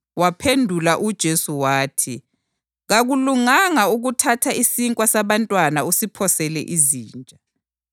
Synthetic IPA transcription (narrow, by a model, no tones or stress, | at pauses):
wapʰendʱulaʔud̥ʒ̥ʱesuwaːtʰi | ɣaɣuluŋaŋauɣutʰatʰaisiŋkʼwasaβantʼwanausipʰɔsɛlɛ̰ʔiziːnt͡ʃʼa